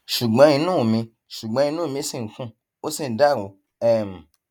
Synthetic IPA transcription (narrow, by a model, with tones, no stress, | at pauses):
ʃu˨ɡ͡bɔ̃˨˦i˧nũ˦˨mĩ˧ | ʃu˨ɡ͡bɔ̃˧˦ĩ˧nũ˦˨mĩ˧˦sĩ˧˨kũ˦ | o˦sĩ˦˨n̩˨da˦˨ɾo˨˦ | ɛ˦˨m̩˨